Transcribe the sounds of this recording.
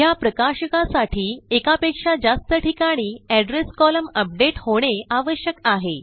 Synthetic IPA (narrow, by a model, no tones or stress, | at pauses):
japɾəkaɕəkasaʈʰiːekapekʂad͡zast̪əʈʰikaɽ̃iːɛɖɾeskɔləməp̚ɖeʈhoɽ̃eaʋəɕjəkaɦe